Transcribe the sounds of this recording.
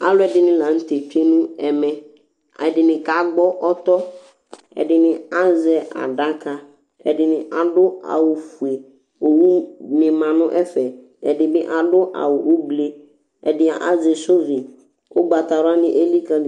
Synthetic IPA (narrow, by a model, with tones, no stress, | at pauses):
a̰˦lʊ˦ɛ˨dɪ˨nɪ̃˦lã˨n̩˦t̪e˨t͡ʃe˦nũ˦ɛ˨mɛ̃˨ | ɛ˨dɪ˨nɪ̃˨ka˨ɡ͡bɔ˦ʔɔ˦t̪ɔ˦ | ɛ̰˨dɪ˨nɪ̃˨a˦zɛ˨ʔa̰˨ɖa˦ka˨ | ɛ̰˨dɪ˨nɪ̃˨ʔa˨ɖʊ˦a̰˨wʊ˨fu˨e˨ | o˨wu˦mɪ̃˨mã˨nʊ̃˦ʔɛ˦fɛ˨ | ɛ˨dɪ˨bɪ˦ʔa˨dʊ˦ʔa̰˨wʊ˨ʔo˦ble˦ | ɛ̰˨dɪ˨˦a˨ʔa̰˦zɛ˨sʊ˦vɪ˨ | ʊ˦ɡ͡ba˨t̪a˨ɾʊ˦a˦nɪ̃˦ʔe˦li˦ka˦˨